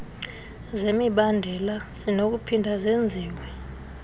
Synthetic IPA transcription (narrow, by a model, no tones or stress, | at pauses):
zemiɓandʱɛlaz̥inok̬upʰindʱazend͡zʱiːwɛ